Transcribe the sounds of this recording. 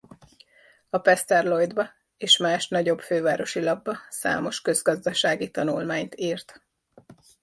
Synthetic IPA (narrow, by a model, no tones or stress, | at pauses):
ɒpɛst̪ɛrlo̞jd̪bɒ | eːʃmaːʃnɒɟo̞bføːvaːɾo̞ʃilɒbːɒsa̰ːmo̞ʃkø̞zɡɒzd̪ɒʃaːɡit̪ɒnulmaːɲt̪iːrt̪